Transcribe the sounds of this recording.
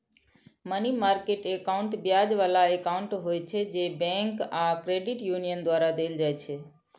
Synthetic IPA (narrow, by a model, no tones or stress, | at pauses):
mənimaːɾkeʈekaʊ̃ɳʈbjad͡ʒʋalaekaʊ̃ɳʈɦojt͡ʃʰed͡ʒebɛ̃ŋkakɾeɖɪʈjunijənd̪ʋaɾad̪eld͡ʒajt͡ʃʰe